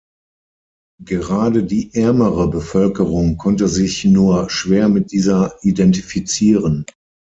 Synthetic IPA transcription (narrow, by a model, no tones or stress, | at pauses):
ɡ̥əʁaːdədiːʔɛɐməʁəbəfœlkəʁʊŋkʰɔntəzɪçnuːɐʃv̥eːɐmɪt̚d̥iːzɐidɛntifit͡siːʁən